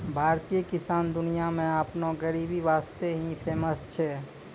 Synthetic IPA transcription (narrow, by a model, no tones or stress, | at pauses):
bʱaɾt̪ijəkisand̪ʊnijamẽapnoɡəɾibiʋast̪eɦĩpʰeməst͡ʃʰɛ